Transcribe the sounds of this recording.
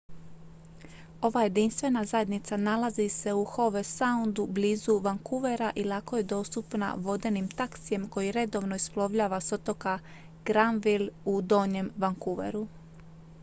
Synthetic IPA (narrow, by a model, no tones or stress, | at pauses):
o̞ʋaje̞d̪inst̪ʋe̞nazajed̪nit̪sanalazise̞uxo̞ʋesaund̪ubliːzuʋaŋkuʋe̞ɾaʔilˠako̞je̞d̪o̞ːst̪upna̰ʋo̞d̪e̞nimt̪aksije̞mko̞jiɾe̞d̪o̞ʋnoisplˠo̞ʋʎaːʋasot̪o̞ka | ɡ̥ɾanʋilud̪o̞ːɲe̞mʋaŋkuʋe̞̰ɾu